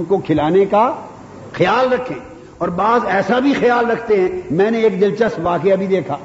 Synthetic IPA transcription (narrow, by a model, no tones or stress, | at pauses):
mkokʰɪlaːneka | xɪjaːlɾɐkʰːẽː | ɔːɾbaːzɛːsabʱixɐjaːlɾɐkʰt̪eɦɛ̃ːmɛ̃ːnẽeːk̚d̪ɪlt͡ʃəst̪ʋaːkeabʱid̪eːkʰaː